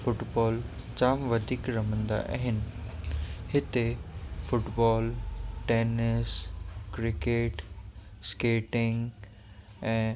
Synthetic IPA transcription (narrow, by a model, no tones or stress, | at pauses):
fʊʈbɔːld͡ʑaːmʋɐd̪ʱiːkɾɐmə̃nd̪a̰ʔa̰ɦɪnɪ̆ | ɦɪt̪efʊʈbɔːlʈeːnɪskɾɪkeːʈ | skeːʈɪŋɡ | ɛ̃ː